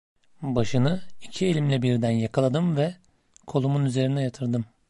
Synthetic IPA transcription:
baʃɯnɯicʰielʲimlʲɛbiɾd̪ænjakʰalˠad̪ɯmvɛ | kʰo̞lˠumunyze̞ɾinɛjat̪ʰɯɾd̪ɯm

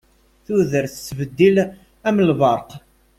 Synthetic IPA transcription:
θuðəɾθsːvəd̪ːil | æmlvɑɾˤq

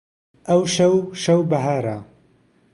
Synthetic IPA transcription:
ʔɐwʃɐwʃɐwbɐɦaːɾaː

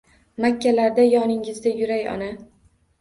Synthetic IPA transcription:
makʲʰːalaɾd̪ajɒnɪŋɪzd̪ajʊɾajɒ̰na

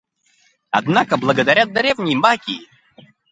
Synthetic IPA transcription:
ad̪nakəblˠəɡəd̪ɐɾʲad̪̚d̪ɐɾʲevnʲɪjmakʲi

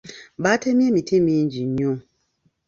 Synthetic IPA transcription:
batemĩemitʰimĩɲd͡ʒiɲu

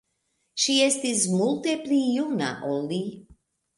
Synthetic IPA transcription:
ʃijɛst̪izmult̪ɛplijuna̰ʔɔlːi

